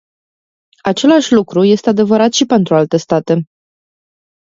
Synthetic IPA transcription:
at͡ʃe̞laʃʲlukɾuje̞st̪e̞ad̪e̞vəɾat̪ʃipe̞nt̪ɾualt̪e̞st̪at̪e̞

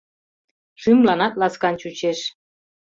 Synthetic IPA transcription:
ʃymlɑnɑt̪lɑskɑnt͡ɕut͡ɕeʃ

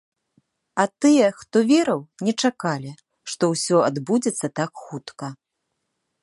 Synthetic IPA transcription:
ɐt̪ɨjɛxt̪ɔvʲɛɾɐwnʲɛt͡ʂakalʲi | ʂt̪ɔwsʲɔad̪bud͡zʲɛt̪sːɐt̪akxut̪kɐ

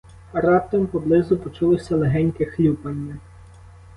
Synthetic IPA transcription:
ɐɾɑp̚t̪ɐmpɔblˠɪzʊpɔt͡ʃulˠɪsʲɐlˠeɦɛnʲkɪxlʲupɐnʲːɐ

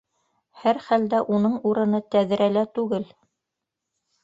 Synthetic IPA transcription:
hæɾχæld̪æʔunɤɴuɾɤ̆nɤt̪æðɘ̆ɾælæt̪ʉɡɘl

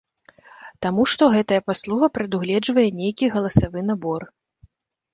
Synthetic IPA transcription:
t̪amuʂt̪ɔɣɛt̪ɐjɐpaslˠuɣɐpɾɐd̪uɣlʲɛd͡ʐvɐjɛnʲejkʲiɣɐlˠɐsavɨn̪abɔr

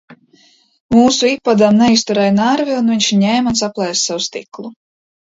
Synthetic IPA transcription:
muːsuipːad̪amnɛist̪uɾɛjnaɾviunviɲʲʃɲɛːmuns̬aplˠɛjssawust̪iklˠu

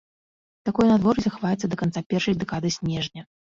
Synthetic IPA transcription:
t̪akɔjnad̪vɔɾzʲɐxavajɛt̪sːɐd̪ɐkant̪sapʲɛrʂɐjd̪ɛkad̪ɨsʲnʲɛʐnʲɐ

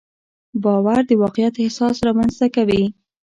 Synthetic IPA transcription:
bɑwaɾd̪əwɑqjat̪ɪhsɑsɾɑmanzt̪akawi

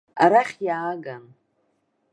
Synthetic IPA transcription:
aɾaχʲjaːɡan

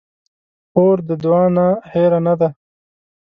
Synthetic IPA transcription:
oːɾd̪əd̪uwɑːnaheɾanad̪a

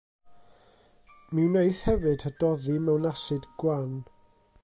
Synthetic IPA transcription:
mɪwnejθhɛvɨd̥hədɔðimɛwnasɨdɡ̥wan

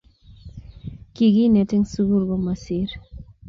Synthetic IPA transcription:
kiɡinɛtɛŋsuɡuɾɡomasiɾ

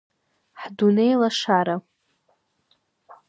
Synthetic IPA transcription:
ħdunejlaʂaɾa

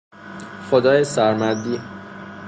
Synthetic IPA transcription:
xod̪ɒːjesæɾmæd̪iː

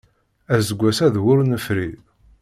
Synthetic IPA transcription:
æzəɡʷːæsæðwʊɾnəfɾi

